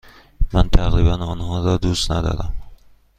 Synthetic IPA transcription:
mant̪ʰaɣɾibanʊnhɒd̪ɒd̪ust̪nad̪ɒ̰d̪am

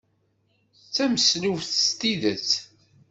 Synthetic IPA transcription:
t͡sːæməsluvθst̪iðət͡sː

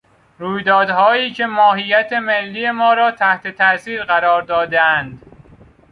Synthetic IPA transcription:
ɾuːjd̪ɒːd̪hɒːiːcʰe̞mɒːɦijæt̪ʰe̞me̞lːiːjemɒːɾɒːt̪ʰæht̪e̞t̪ʰæʔsiːɾɢæɾɒːɾd̪ɒːd̪eænd̪

